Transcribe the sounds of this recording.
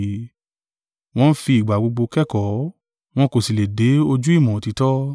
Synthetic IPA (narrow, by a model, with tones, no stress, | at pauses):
w̃ɔ̃˦fi˧i˨ɡ͡ba˨ɡ͡bo˧ɡ͡bo˧kɛ˦kɔ˨˦ | w̃ɔ̃˧ko˨si˨le˨de˨˦o˧d͡ʒu˦i˦˨mɔ̃˨ti˨˧tɔ˦